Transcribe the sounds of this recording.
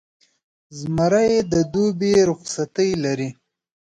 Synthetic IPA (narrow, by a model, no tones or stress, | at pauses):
zmaɾajed̪əd̪ubeɾʊqsat̪əjlaɾi